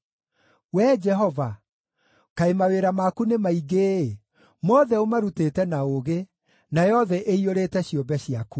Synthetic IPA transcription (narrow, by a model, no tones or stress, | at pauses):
wɛd͡ʒɛɦɔva | kaemaweɾamakunemaiɡeː | mɔðɛomaɾutetɛnaoɣe | najɔðɛʔeioɾetɛɕjombɛɕiaku